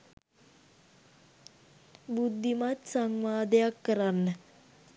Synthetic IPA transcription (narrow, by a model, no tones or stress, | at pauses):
bud̪ʱːimat̪saŋʋaːd̪ejakːəɾanːə